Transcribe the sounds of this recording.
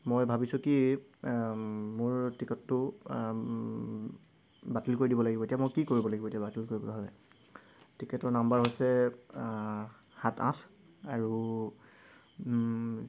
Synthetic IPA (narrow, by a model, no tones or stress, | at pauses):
mojbʱabisʊki | mʊɹtikɛtːʊ | batilkoɹidibɔlaɡibɔetiamojkikoɹibɔlaɡibɔetijabatilkoɹibɔlaɦalɛ̰ | tʰikɛtɔɹnambaɹɦojsɛ | hatã̰s | aɹu